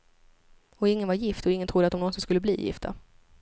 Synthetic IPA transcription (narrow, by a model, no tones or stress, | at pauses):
ɔɪŋːənvaɾjɪft̪ɔɪŋːənt̪ʰɾʊd̪ːat̪d̪ɔmnɔnsɪnskɵlːəblḭːjɪ̰ft̪ʰa̰